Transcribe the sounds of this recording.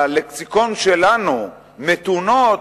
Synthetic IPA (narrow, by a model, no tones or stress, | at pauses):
aleksiko̞nʃelanu | met̪uno